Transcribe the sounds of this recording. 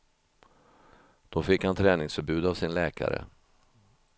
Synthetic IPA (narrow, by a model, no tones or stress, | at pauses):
d̪̥ɔfɪkhant̪ʰɾɛːnɪŋsfœɾbʉ̟ːd̪avsɪnlɛːka̰ɾə̰